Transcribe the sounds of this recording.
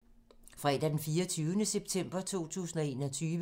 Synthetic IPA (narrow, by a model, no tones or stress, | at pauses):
fʁɛd̥æd̥enfiːɐt͡sʰyːʊənəseb̥t͡sʰem̰b̥ɐt͡sʰo̝̰ːt͡sʰṵːsn̩ɒe̝ːnɒ̽t͡sʰyːʋə